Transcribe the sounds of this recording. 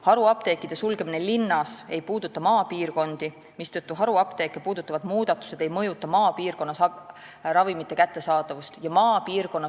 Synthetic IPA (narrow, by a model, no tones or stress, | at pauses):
hɑɾuɑpt̪e̞ːkːˑid̪̥e̞sulɡ̥e̞mine̞linːɑsejpuːd̪ut̪ːˑɑmɑːpiːrko̞nd̪̥i | mist̪ɤt̪ːuɦɑɾuɑpt̪e̞kːˑepuːd̪ut̪ːˑɑvɑd̪muːd̪̥ɑt̪ːˑu̥se̞d̪̥e̞jmɤjut̪ːˑɑmɑːpiːrko̞nːɑs | ɾɑvimit̪ːˑe̞kæt̪ːe̞sɑːd̪ɑvust̪jɑmɑːpiːrko̞nːɑ